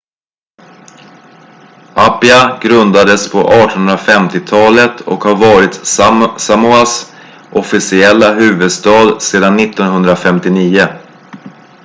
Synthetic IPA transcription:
ʔapɪaɡɾɵnd̪ad̪əspʰɔ̰ʔɑːʈɔnɵnɾafɛmt̪ɪt̪ʰɑːlət̪ʰɔ̰khaɾvɑːɾɪt̪samʊas | ʔɔfɪsɪɛlːaɦʉ̟ːvɵd̪st̪ɑːd̪seːd̪anːɪt̪ːɔnɦɵnd̪ɾafɛmt̪ɪniːʊ

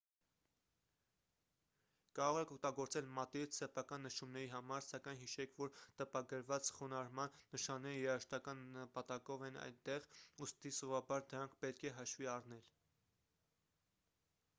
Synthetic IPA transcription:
kɑɾɔʁɛkʰɔk̚t̪ɑɡɔɾt͡sɛlmɑt̪it͡sʰsɛpʰɑkɑnːəʃumnɛɾiɦɑmɑɾsɑkɑjnɦiʃɛkʰvɔɾt̪əpɑɡəɾvɑt͡sχunɑɾmɑnːəʃɑnːɛɾijɛɑʃt̪ɑkɑnːəpɑt̪ɑkɔvɛnɑ̰jnt̪ɛʁust̪isɔvɑbɑɾd̪əɾɑŋkʰpɛt̪kʰɛɦɑʃviɑrnɛl

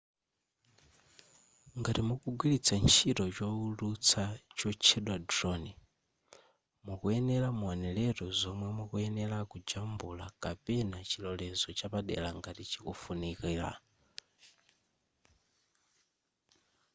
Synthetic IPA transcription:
ŋɡaɾimukuɡwilit͡sʰant͡ʃʰitɔt͡ʃɔulut͡sʰat͡ʃɔt͡ʃʰɛɗwadrɔni | mukuɛnɛlamuanɛlɛɾɔzɔmwɛmukuɛnɛlakud͡ʒambulakapɛnat͡ʃʰilɔlɛzɔt͡ʃapaɗɛ̰laŋɡaɾit͡ʃikufunikiːla̰

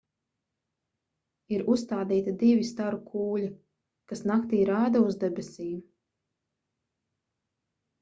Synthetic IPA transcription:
iɾust̪aːd̪iːt̪ad̪ivʲist̪aɾukʰuːʎi | kasnakt̪iːɾaːd̪auzd̪ɛbɛsʲiːm

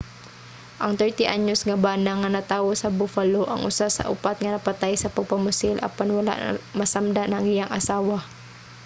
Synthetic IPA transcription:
ʔɐŋt̪ɛɹt̪ɪʔaɲosŋɐbaːnaŋːɐnɐt̪aːwosɐbʊfaloʔɐŋʔʊsasɐ̰ʔʊpat̪̚ŋɐnɐpɐt̪ajsɐpɐɡ̚pɐmʊsɪlʔɐ̰panwɐla̰ʔmɐsamd̪aʔnɐŋɪjaŋʔɐsaːwa

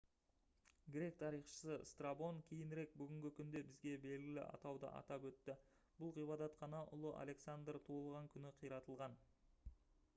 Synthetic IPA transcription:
ɡʲɾe̞k̚t̪ʰɑɾijχʃə̥səst̪rabo̞ŋkʲʰejɪnɾe̞k̚bʏɡʲɪŋɡʲɪkʲʰʏnd̪e̞bɪzɡʲe̞be̞lɡʲɪlɪ̰ʔɑ̰t̪ɑwd̪ə̰ʔɑ̰t̪ɑpwɵt̪ːɪ | b̥ʊlˠʁijbɑd̪ɑt̪qʰɑnɑʔʊ̰lˠəʔa̰le̞ksand̪rt̪ʰulˠʁɑŋkʲʰʏnɪqʰijɾɑt̪əlˠʁɑn

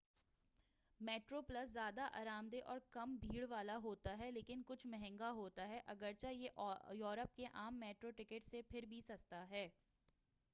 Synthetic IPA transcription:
meːʈɾopləszjaːd̪aʔa̰ːɾaːmd̪eʔɔːɾkɐmbʱiːɽʋaːlaɦoːt̪aɦɛleːkɪnkʊt͡ʃʰmɛɦɛ̃ŋɡaɦoːt̪aɦɛʔɐɡəɾt͡ʃajeʔjɔːɾəp̚keʔaːmːeːʈɾoʈɪkəʈsepʰɪɾbʱisɐst̪aɦɛː

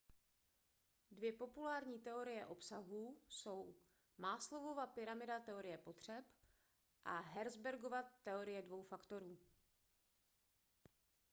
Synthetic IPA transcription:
dvjɛpo̞pulaːɾɲiːt̪ɛo̞ɾɪjɛʔo̞psaɦuso̞w | maːslo̞vo̞vaːpɪɾamɪdat̪ɛo̞ɾɪjɛpo̞t̪r̝̥ɛp | ʔaɦɛɾzbɛɾɡovat̪ɛo̞ɾɪjɛdvo̞wfakt̪o̞ɾuː

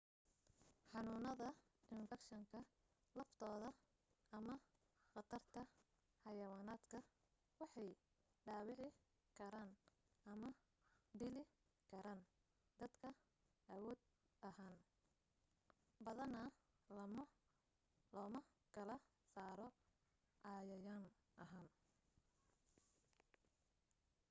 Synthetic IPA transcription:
ħɑnuːnɐðɐ | ɪɱfɐkʃɐŋkʰɐ | lɐft̪ʰɔːðɐ | ɐmɐ | qɑt̪ʰɐrt̪ʰɐ | ħɑjɐwaːnaːd̪kʰɐ | wɑħɑj | ɖaːwɪʕɪ | kʰɐɾaːn | ɐmɐ | ɖɪlɪ | kʰɐɾaːn | d̪ɐd̪kʰɐ | ʔɐwɔːd̪ | ɐhaːn | bɐðɐnɐ | lɔːmɐ | kʰɐlɐ | saːɾɔ | ʔɑːjɐjaːn | ʔɐɦaːn

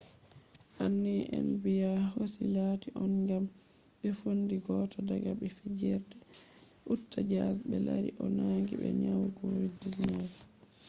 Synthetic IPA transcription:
ʔanːiʔɛ̰nbijahosilaːtiʔɔnɡam | ɓɛfondiɡɔːtʰɔdaɡaɓɛfid͡ʒɛɾdɛ | ʔutːad͡ʒasɓɛlaɾḭʔɔnaŋɡiɓɛ̰ɲawɡoɾidisnad

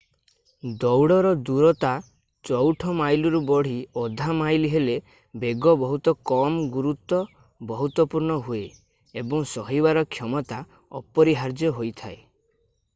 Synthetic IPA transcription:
d̪ɔwɽɔɾɔd̪uɾɔt̪a | t͡ʃɔwʈʰɔmajluɾubɔɽ̤iɔd̪ʱamajliɦele | beɡɔbɔɦut̪ɔkɔmɡuɾut̪ɔ | bɔɦut̪wɔpuɾɳɔɦue | ebɔŋsɔɦibaɾɔkʰjɔmɔt̪a | ɔ̰pɔɾiɦaɾd͡ʒjɔɦojt̪ʰae

